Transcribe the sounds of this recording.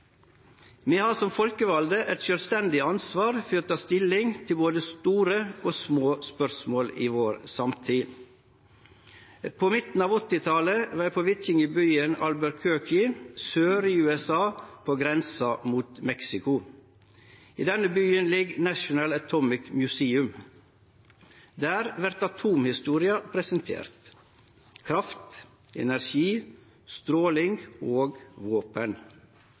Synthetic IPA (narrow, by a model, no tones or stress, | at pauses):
miːhɑːɾsɔmfɔlkəʋɑld̪əʔɛt̪ʃœːlst̪ɛnd̪ɪɑnsʋɑːɾfɾoːt̪ʰɑːst̪ɪlɪŋt̪ʰɪlboːd̪əst̪uːɾəoːsmoːspœɾsmoːliːʋoːɾsɑmt̪ʰiː | pʰoːmɪt̪n̩ɑːʋɔt̪ːɪt̪ʰɑləʋɛːpʰoːʋɪt̪ɪŋəbyːənɑlbæɾkʰøːkɪsøːɾiːʉːɛsɑːpʰoːɡɾɛnsɑmuːt̪mɛksɪkʊ | ḭːd̪ɛnəbyːənlɪɡnæʃʊnɑlət̪ʰɔmɪkmjʉseːʉm | d̪æːɾʋæɾt̪ɑt̪ʰuːmhɪst̪uːɾɪɑpʰɾɛsənt̪ʰḛːɾt̪ | kʰɾɑft̪ | ɛ̰næɾʃiː | st̪ɾoːlɪŋɡoːɡʋoːpən